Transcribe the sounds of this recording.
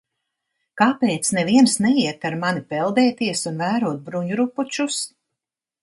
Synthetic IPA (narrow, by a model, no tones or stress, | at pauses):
kaːpɛːt̪snɛviɛnsnɛjiɛt̪aɾmanipɛlˠd̪ɛːt̪iɛsunvæːɾuɔt̪̚bɾuɲuɾuput͡ʃus